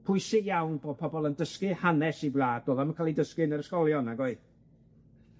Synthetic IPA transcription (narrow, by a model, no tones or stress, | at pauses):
pʰʊɨsɪɡjawnboːd̚pʰɔbɔlˠəndəskɨhanɛsiblaːdoːðamənkʰaːlˠidəskɨnəɾəskɔlˠjɔnaɡɔɨ